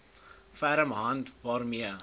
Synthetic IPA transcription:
fæɾəmɦɐntvɑːrmiə

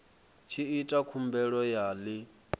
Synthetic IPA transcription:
t͡ʃʰiitʼakʰumbɛɺɔjaːli

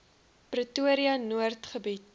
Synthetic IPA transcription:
prətuəɾiɐnuərtχəbit

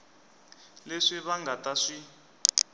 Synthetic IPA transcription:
leʂiβaŋɡataʂi

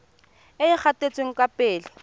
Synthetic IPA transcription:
ɪɪk͡xʰatet͡sʼweŋ̩kapeːlɪ

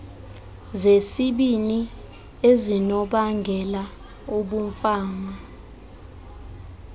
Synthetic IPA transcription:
zesiɓini | ezinɔɓaŋɡʱɛla | uɓum̩faːma

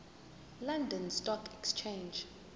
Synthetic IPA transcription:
lãndə̃nstɔkʰɛkst͡ʃʰẽnd͡ʒ

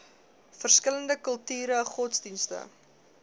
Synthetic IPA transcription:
fərskələndəkəlˠtyːɾəχɔtsdinstə̰

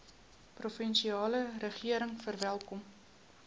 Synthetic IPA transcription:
profənʃiɑːlərəχiəɾəŋfərvælˠkɔm

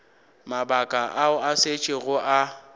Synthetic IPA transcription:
mabakʼaʔaʊaset͡ʃʼɪɣʊʔa

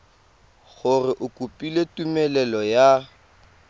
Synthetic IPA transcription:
ɣʊrɪʔʊkʼupʼiletʼumɛlɛlɔja

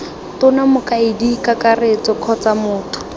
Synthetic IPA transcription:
tʊnamʊkaɪdikakaret͡sɔkʰɔt͡samʊːtʰʊ̥

